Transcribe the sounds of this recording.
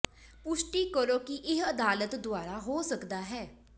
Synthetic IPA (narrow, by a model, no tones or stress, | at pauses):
pʊʃʈiːkəɾoːkɪʔɪɦəd̪aːlət̪d̪ʊaːɾaːɦoːsəkd̪aːɦɛː